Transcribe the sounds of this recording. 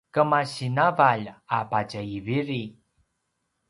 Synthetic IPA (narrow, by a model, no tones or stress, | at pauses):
kəmaɕinavaʎapacəiviɾi